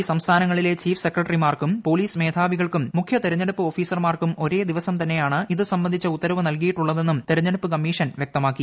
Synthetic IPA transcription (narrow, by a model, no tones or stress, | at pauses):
sɐmst̪ʰaːnɐŋːɐɭile̞t͡ɕiːfse̞krɐʈɐrimaːrkumpo̞ːliːsme̞ːd̪ʱʰaːʋiɣɐɭkumːukʰjɐt̪eɾɐɲːɐɽupːɨo̞ːfiːsɐrmaːrkumo̞ɾe̞ːd̪iʋɐsɐmt̪ɐnːe̞jaːɳɨʔiðɨsɐmbɐnd̪it͡ɕːɐut̪ːɐɾɐʋunɐlkijiʈːuɭːɐðe̞nːumt̪eɾɐɲːɐɽupːɨkɐmːiːʂɐnʋjek̚t̪ɐmaːkːi